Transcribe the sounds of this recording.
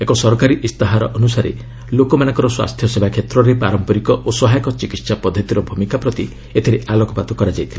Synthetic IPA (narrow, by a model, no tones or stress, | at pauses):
ekɔsɔɾkaɾiʔist̪aɦaɾɔʔɔnusaɾḛ | lokɔmanaŋkɔɾɔswa̰st̪ʰjɔsebakʰet̪ɾɔɾepaɾɔmpɔɾikɔʔosɔɦajɔkɔt͡ʃikit̪sapɔd̪ʱːɔt̪iɾɔbʱumikapɾɔt̪i | et̪ʰiɾeʔalɔkɔpat̪ɔkɔɾad͡ʒajt̪ʰile